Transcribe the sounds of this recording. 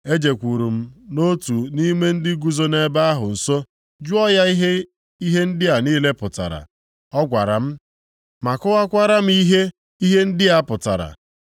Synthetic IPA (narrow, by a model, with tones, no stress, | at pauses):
e˦d͡ʒe˨kʷu˨ɾu˨m̩˦no˦tu˨ni˦me˦n̩˦dɪ˦ɡu˨zo˦ne˦ba˦a˦ɦʊ˨n̩˨so˦ | d͡ʒu˦ɔ˦ja˦i˦ɦe˦ | i˦ɦe˦n̩˦dɪ˦a˨niː˦le˦pʊ˨ta̰˨ɾa̰˨ | ɔ˦ɡʷa˨ɾa̰˨m̩˦ | ma˨kʊ˦a˦kʷa˦ɾa˦m̩˦i˦ɦe˦ | i˦ɦe˦n̩˦dɪ˦a˨pʊ˨ta̰˨ɾa̰˨